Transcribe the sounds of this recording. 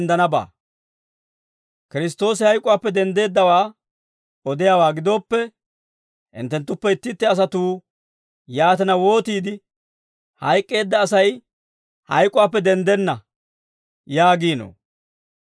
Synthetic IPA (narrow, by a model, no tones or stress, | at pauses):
nd̪ɐnɐba̰ː | kɪɾɪs̬t̪ːo̞ːsɪhɐjkʼːʊwaːpːɛd̪ɛnd̪e̞ːd̪ːɐwaː | ɔd̪ɪjawaːɡɪd̪oːpːɛ | hɪ̰nt̪ːɛnt̪ːʊpːɛɪt̪ːɪt̪ːɛɐs̬ɐt̪uː | jaːt̪ɛnɐwo̞ːt̪iːd̪ɪ | hɐjkʼːe̞ːd̪ːɐːsɐj | hɐ̰jkʼːʊwaːpːɛd̪ɛnd̪ɛnːɐ | jaːɡiːno̰ː